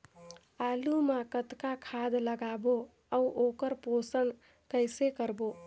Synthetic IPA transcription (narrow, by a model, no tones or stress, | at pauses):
alumakət̪kakʰad̪ləɡabo | əwʔokəɾposən | kəjsekəɾbo